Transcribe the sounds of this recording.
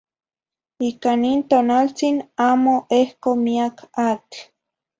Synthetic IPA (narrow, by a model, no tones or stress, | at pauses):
ikanint̪oːnalt͡sinaːmoʔehkomiakʰak